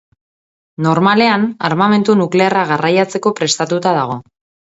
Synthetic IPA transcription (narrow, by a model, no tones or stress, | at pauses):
no̞ɾmale̞anaɾmame̞nt̪unukle̞araɣ̞arajat͡se̞ko̞pɾe̞st̪at̪ut̪að̞aɣ̞o̞